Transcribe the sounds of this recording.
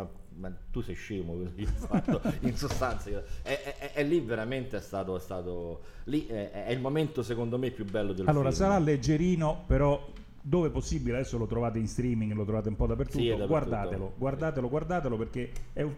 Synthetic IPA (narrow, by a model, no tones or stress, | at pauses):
a | mat̪usɛjʃeːmokezifat̪ːoinsost̪ant̪sajɛɛɛʔɛlːiveɾament̪eɛst̪aːt̪oɛst̪aːt̪o | liʔɛɛilmoment̪osekond̪omepːjubɛlːod̪elalloːɾasaɾalːed͡ʒːeɾiːnopeɾɔ | d̪oːveɛposːibilead̪ɛsːolot̪ɾovaːt̪einst̪ɾiːmiŋɡlot̪ɾovaːt̪̬eumpɔd̪apːert̪ut̪ːod̪aɡward̪aːt̪eloɡward̪aːt̪eloɡward̪aːt̪eloperk̟eɛu